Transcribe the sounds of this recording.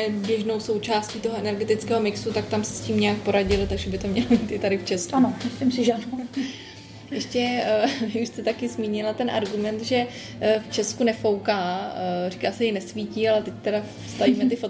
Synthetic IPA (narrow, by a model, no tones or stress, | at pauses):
ɛbjɛʒno̞wso̞wt͡ʃaːsciːt̪o̞ɦoɛnɛɾɡɛt̪ɪt͡skɛːɦo̞mɪksut̪ak̚t̪amsɛ̥sciːmɲɛak̚po̞ɾaɟɪlɪt̪aɡʒɛbɪt̪omɲɛlobiːt̪ʔɪt̪adɪft͡ʃɛskuanosɪmsɪʒa | jɛʃcɛvɪuʃst̪ɛt̪akɪzmiːɲɪlat̪ɛnʔa̰ɾɡumɛnt̪ʒɛ | ft͡ʃɛskunɛfo̞wkaːrikaːsɛjɪnɛsviːciːalɛt̪ɛct̪ɛɾa | st̪aviːmɛt̪ɪfot̪̚